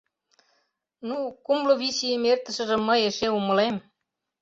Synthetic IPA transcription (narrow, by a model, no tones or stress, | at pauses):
nukumlɤ̆βisijəmert̪ə̆ʃə̆ʒə̆mːɤ̆eʃeumɤ̆lem